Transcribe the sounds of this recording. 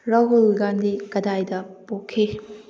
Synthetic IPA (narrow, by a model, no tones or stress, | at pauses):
ɾawɦolɡandikɐdajdɐpokʰːi